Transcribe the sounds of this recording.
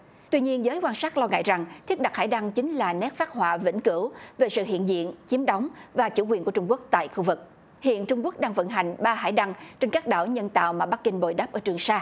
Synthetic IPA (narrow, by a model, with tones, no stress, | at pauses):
t̪wi˧ɲi˧ənzəː˨˦jkwaː˧nsaː˦˥t̚lɔ˧ŋa̰ː˧˨jza˨˩ŋt̪ʰi˦˥ət̚ɗa˨˩haː˧˩jɗa˧ŋt͡ɕï˨˦ŋ̟laː˨˩nɛ˦˥p̚faː˦˥k̚hwaː˧˨vḭ˧˥nkɨ˧˩wve˨˩sɨ̰˧˨ɦḭ˧˨ənzḭ˧˨ənt͡ɕi˨˦əmɗɔ˨˦wŋ͡mvaː˨˩t͡ɕṵ˧˩kwi˨˩nku˧˩ət͡ɕʊ˧ŋ͡mku˦˥ək̚t̪a̰ː˧˨jxu˧vɨ˨˩k̚ | hḭ˧˨ənt͡ɕʊ˧ŋ͡mku˦˥k̚ɗaː˧ŋvə̰˧˥˨nɦa˨˩jŋ̟ɓaː˧ɦa̰ː˧˩jɗa˧ŋt͡ɕe˧nkaː˦˥k̚ɗa̰ː˧˩wɲə˧nt̪a̰ː˧˨wmaː˨˩ɓa˦˥k̚ːi˧ŋ̟ɓo˨˩jɗaː˦˥p̚ʔəː˧˩t͡ɕɨ˨˩əŋsaː˧